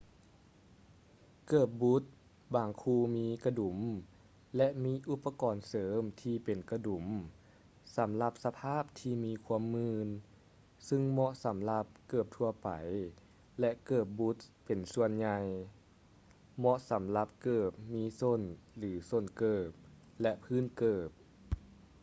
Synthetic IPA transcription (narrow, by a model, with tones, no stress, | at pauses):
kɤː˧˩p̚bu˦˥t̪̚ | baː˨˩ŋkʰuː˧miː˧˥ka˧du˨˩˦m | lɛ˧˥ʔmiː˧˥ʔu˧˥pːa˧kɔː˨˩nsɤː˩˦mt̪ʰiː˧pe˨˩nka˧du˨˩˦m | sa˩˦mla˧p̚sa˧pʰaː˥˩p̚t̪ʰiː˧miː˧˥kʰu˧˥əmːɯː˧n | sɯ˧ŋmɔ˧˥ʔsa˩˦mla˧p̚kɤː˨˩p̚t̪ʰu˧ɐpa̰˨˩j | lɛ˧ʔkɤː˧˩p̚bu˧˦t̪̚pe˨˩nsu˧ənɲa˧j | mɔ˧ʔsa˩˦mla˧˦p̚kɤː˨˩p̚miː˧˥so˧˥˨nlɯː˩˦so˧˩˨nkɤː˨˩p̚ | lɛ˧˥ʔpʰɯː˧˥˨nkɤː˨˩p̚